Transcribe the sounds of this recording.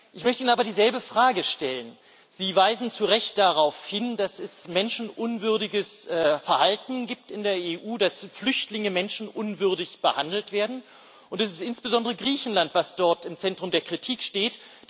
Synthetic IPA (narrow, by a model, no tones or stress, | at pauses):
ʔɪçmœçtəiːnənaːbɐdiːzɛlbəfʁ̥aːɡəʃtɛlən | z̥iːvaɪzn̩t͡suʁɛçt̚d̥aʁaʊfhɪndasɛsmɛnʃn̩ʔʊnvʏɐdɪɡəsːfɛɐhaltn̩ɡiːp̚tɪndeːɐeːʔuːdasflʏçtlɪŋəmɛnʃn̩ʔʊnvʏɐdɪçb̥əhandl̩tv̥eːɐdn̩ | ʔʊntɛs̬ɪstʔɪnsb̥əzɔndəʁəɡʁiːçn̩lantv̥asd̥ɔɐtɪmt͡sɛntʁ̥ʊmdeːɐkʁ̥itʰiːkʃteːt